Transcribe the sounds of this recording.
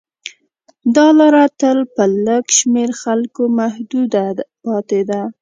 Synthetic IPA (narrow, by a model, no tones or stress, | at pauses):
d̪ɑlaɾat̪əlpələɡʃmeɾxalkomahd̪ud̪apɑt̪ed̪a